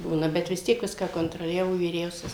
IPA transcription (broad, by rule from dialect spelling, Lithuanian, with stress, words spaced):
ˈbuːnɐ ˈbʲɛt ʋʲɪs ˈtʲiɛk ˈʋʲɪskɑː koːntroːˈlʲæːʋoː ʋʲiːˈrʲɛʊsʲɛs